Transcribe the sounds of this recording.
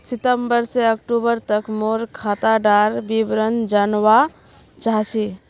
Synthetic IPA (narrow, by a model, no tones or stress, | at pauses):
sit̪əmbəɾseək̚ʈubəɾt̪əkmoɾkʰat̪aɖaɾbibɾənd͡ʒanwa | t͡ʃaɦt͡ʃʰi